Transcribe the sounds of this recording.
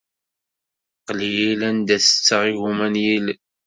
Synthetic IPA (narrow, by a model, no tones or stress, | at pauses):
qlijilænd̪æsə̥t͡sːəʁiɣumænjil